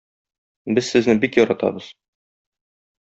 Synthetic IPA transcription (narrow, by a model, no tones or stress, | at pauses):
bɘzsɘ̆znɘbikjɒɾɑt̪ɑ̰bɤz̥